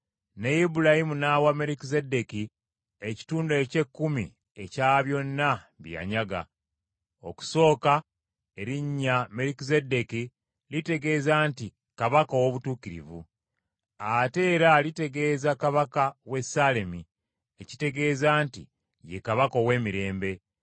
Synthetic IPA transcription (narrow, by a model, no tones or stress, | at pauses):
nejibulahimunawame̞ɾikizede̞ki | eci̥tuːndoece̞kːumḭ | e̞caβjo̞nːaβja̰ɲaɡa̰ | o̞̰ku̥so̞ːka | e̞ɾiɲːame̞ɾikizedeki | lite̞ɡe̞ːzaːnti | kaβakowoβutuːciɾḭvṵ | ate̞ːɾalite̞ɡe̞ːzakaβakawe̞sale̞mi | eci̥te̞ɡe̞ːzaːntḭ | je̞kaβakowe̞ːmiɾe̞ːmbe̞